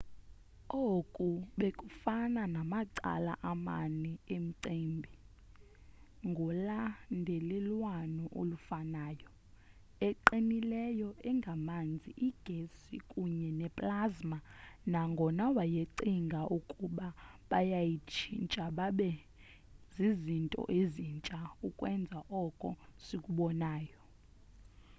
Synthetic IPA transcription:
okʼuɓekʼufananamaǀa̰la̰ʔama̰nɛem̩ǀeːmbʱi | ŋɡʱɔlandʱɛlɛlwanɔʔolufanaːjɔ | ɛǃinilɛjɔɛŋɡʱamand͡zʱiʔiɡ̥ʱesikʼuɲɛnɛpʼlazmanaŋɡʱɔnawajeǀiŋɡʱaʔukʼuɓaɓajajit͡ʃʰint͡ʃʼaɓaɓɛ | zizintʼɔ̰ʔezint͡ʃʼaukʼwɛnd͡zʱaʔɔkʼɔ̰sikʼuɓɔnaːjɔ

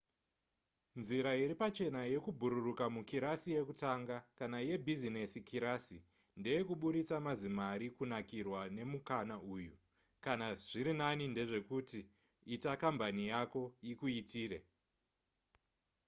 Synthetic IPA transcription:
nziɾaiɾipat͡ʃe̞naje̞kubʱuɾurukamukiɾasije̞kutaŋɡakanaje̞bʱizinesikiɾasi | nde̞je̞kuɓuɾit͡samazimaɾikunakirwane̞mukanauːju | kanaʐ̥iɾinaninde̞ʐe̞kuti | itakambanijako̞ikuitiːɾḛ

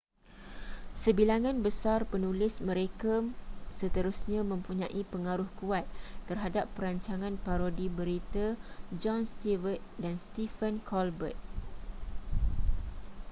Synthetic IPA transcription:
səbilaŋãnbəsarpənulɪsmə̃ɾekasət̪əɾusɲãmə̃mpuɲãʔipəŋaɾʊhkuat̪̚ːərɦadapːəɾaɲt͡ʃaŋãnpaɾodibəɾit̪ad͡ʒɔnst̪ivət̪̚danst̪ifənkʰɔlbə̰t̪̚

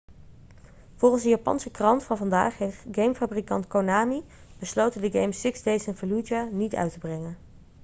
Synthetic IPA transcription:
v̥olˠχənzdəjaːpɑ̰nsəkrɑntfɑnvɑnda̰ːχɦetɡejmfabrikɑntkownaːmi | b̥əslowtəndəɡejmsɪksdejsɛnfəlud͡ʒanitœ̰ɥtəbrɛŋən

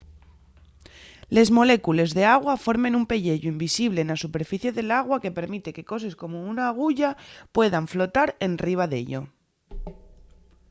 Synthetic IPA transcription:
le̞zmo̞le̞kule̞zðe̞aɣ̞wafo̞ɾmẽ̞numpe̞ʎe̞ʎoimbisiβ̞le̞ːnasupe̞ɾfiθje̞ðe̞laɣwake̞pe̞ɾmit̪e̞ke̞ko̞se̞sko̞mo̞unaːɣ̞uʝapwe̞ðaɱflo̞t̪aɾe̞nriβ̞aðe̞̰ʎo̞̰

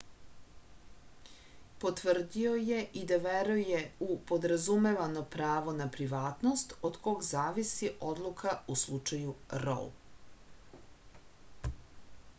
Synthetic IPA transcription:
po̞t̪ʋr̩d̪io̞jeʔid̪aʋeɾujeupod̪ɾazume̞ʋano̞pɾaːʋo̞napɾiʋaːt̪no̞st̪od̪ko̞ɡzaːʋisiʔo̞d̪lˠukʰauslˠut͡ʃajuɾo̰l

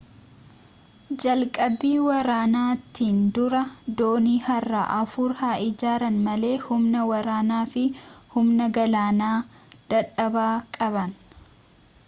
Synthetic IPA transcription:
d͡ʒɐlkʼɐbːiːwɐɾaːnaːt̪ːiːnd̪ʊɾɐd̪oːniːhɐrːa̰ːʔɐfʊɾhaːʔɪd͡ʒaːɾɐnmɐle̞ːhʊmnɐwɐɾaːnaːfɪhʊmnɐɡɐlaːnaː | d̪̥ɐᶑɐbaːkʼɐβɐn

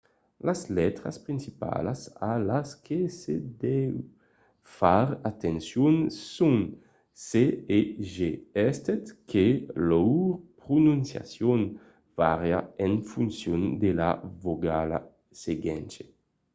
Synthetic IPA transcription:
laslɛt̪ɾaspɾinsipa̰lasalaskʰesed̪ɛw | faɾat̪ensjunsun | seeʒeɛst̪et̪kʰelɔwpɾununsja̰sjɔn | vaʁjaɛnfunsjɔnd̪elavoɡala̰ | seɡɛnt͡ʃe

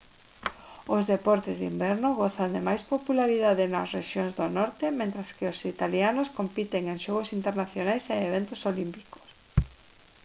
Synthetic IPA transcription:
ozðepɔɾt̪ezðimbɛɾnʊɣoθand̪emajspopulaɾiðaðenɐsreʃjoŋzðonɔɾt̪emẽnt̪ɾɐskɪosit̪alianoskompit̪eŋẽŋʃɔɣosint̪eɾnaθjonajseːβent̪osolimpi̥ko̥s

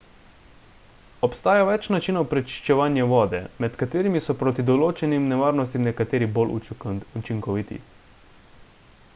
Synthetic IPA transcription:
ɔpst̪aːjaʋɛt͡ʃnat͡ʃiːnɔwpɾɛt͡ʃi̥ʃt͡ʃɛʋaːnjɛʋɔːd̪ɛmɛt̪kat̪eːɾimisɔpɾoːt̪id̪ɔloːt͡ʃɛnimnɛʋaːɾnɔs̬t̪imnɛkat̪eːɾibolʔut͡ʃiŋkɔʋit̪ḭ

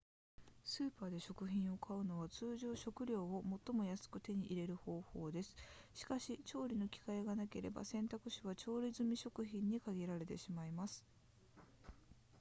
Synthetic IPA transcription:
sɨːpaːd̪e̞ɕo̞kɯ̟çĩɰ̃o̞kʰaɯ̟no̞β̞at͡sɨːʑo̞ːɕo̞kɯ̟ɾʲo̞ːomo̞t̪ːo̞mo̞jasɨ̥kɯ̟t̪e̞ɲ̟iʔiɾe̞ɾɯ̟ho̞ːho̞ːd̪e̞sɨ̥ɕi̥kaɕit͡ɕo̞ːɾʲino̞kʲi̥kaeɡanake̞ɾe̞̰ba̰sẽ̞nt̪akɯ̟ɕiβat͡ɕo̞ːɾʲizɨmʲiɕo̞kɯ̟çĩɲ̟ːikaɡʲiɾaɾe̞t̪eɕimaimasɨ̥

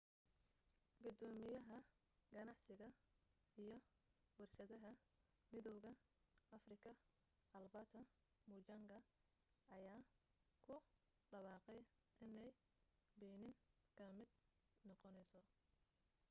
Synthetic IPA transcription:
ɡʊd̪ɔːmɪjɐɦɐ | ɡɐnɑʕsɪɣɐ | ijɞ | wɑrʃɐðɐɦɐ | mɪðɔwɣɐɐfrɪkʰɐ | ɐlbɐt̪ʰɐ | mut͡ʃaŋɡɐ | ɐjaːkʰʊ | ɖɐβɑːqɛj | ʔɪnɛj | bɛjnɪŋkʰɐmɪd̪ | nɔqɔnɛjsɔ

